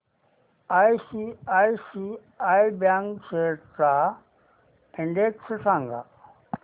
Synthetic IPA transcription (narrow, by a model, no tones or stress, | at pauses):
aːisiaːisi | aːibjãːŋkseʈsa | ɪ̃ɳɖekssãːŋɡa̰